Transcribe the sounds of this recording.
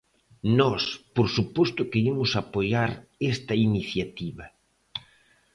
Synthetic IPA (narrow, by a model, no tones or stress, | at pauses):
nɔspoɾsupost̪ʊkeimʊsapojaɾest̪ɐiniθjat̪iβɐ